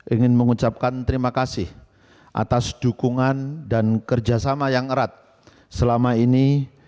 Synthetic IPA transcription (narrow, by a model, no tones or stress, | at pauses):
ʔiŋɪnməŋut͡ʃap̚kant̪əɾimakasɪh | ʔa̰t̪asd̥ukuŋandankərd͡ʒasamajaŋəɾat̪̚ | səlamaini